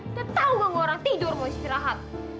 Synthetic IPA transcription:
k̪ət̪auəŋoɾaŋt̪idʊrmoist̪iɾaɦat̪̚

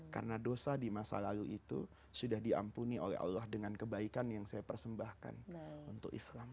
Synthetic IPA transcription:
ka̰rənadosadimasa̰laluʔit̪ṵ | sudahdia̰mpuniolɛ̰ɦa̰lːahdəŋankəbaikanjaŋsajapərsəmbahka̰nunt̪ʊkḭslam

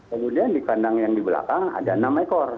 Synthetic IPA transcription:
kəmudiandikandaŋjaŋdibəla̰kaŋa̰danamakɔr

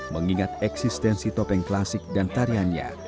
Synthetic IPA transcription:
məŋiŋat̪ɛksist̪ɛnsit̪ɔpɛŋklasɪk̚dant̪aɾiania̰

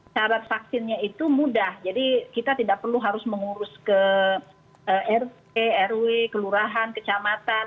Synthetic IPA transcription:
t͡ʃaɾat̪̚fak̚sɪnɲait̪umudahd͡ʒadikit̪at̪idak̚pərluɦaɾʊsməŋuɾʊskə | əʔɛrt̚ | eɛrwekəluɾaɦankət͡ʃamat̪an

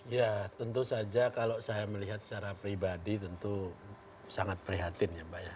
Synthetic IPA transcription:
ijat̪ənt̪usad͡ʒakalosajaməliɦat̪̚st͡ʃaɾapɾibadit̪ənt̪u | saŋat̪̚pəɾiɦat̪ɪnjambaʔja

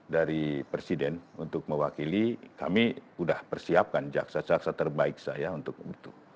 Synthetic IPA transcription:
daɾipɾesidɛnunt̪ʊk̚məwakilikamiudahpərsiap̚kand͡ʒa̰ksad͡ʒak̚sat̪ərbaɪk̚sajaunt̪ʊk̚ɡit̪u

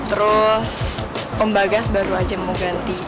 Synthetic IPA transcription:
t̪əɾʊs | pəmbaɡasbaɾuad͡ʒamuɡant̪i

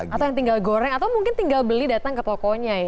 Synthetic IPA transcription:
at̪awjaŋt̪iŋɡalɡoɾɛŋat̪awmuŋkɪnt̪iŋɡalbəlidat̪aŋkət̪ɔkɔɲaja

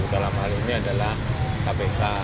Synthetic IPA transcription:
udalamɦaliniadalahkapeka

